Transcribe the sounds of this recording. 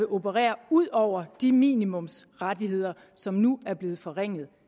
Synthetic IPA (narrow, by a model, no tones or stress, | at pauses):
e̝ʔo̝bʰəʁɛ̰ːɐuð̞̰ˠɒʊ̰ɐd̥imḭːnimɔ̽msʁadiɦhe̝ð̞̰ˠɐ | sɒ̽mnuæɐb̥le̝ːð̞̩ˠfɒ̽ʁeŋ̰ð̩ˠ